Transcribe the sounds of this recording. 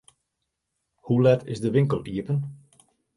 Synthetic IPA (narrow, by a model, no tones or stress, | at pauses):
hulɛtɪzdəʋɪŋkəlˠʔiəpən